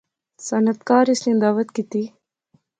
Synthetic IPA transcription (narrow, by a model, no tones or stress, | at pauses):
sɐnɐt̪kaːɾɪsnĩːd̪aːʋət̪kit̪i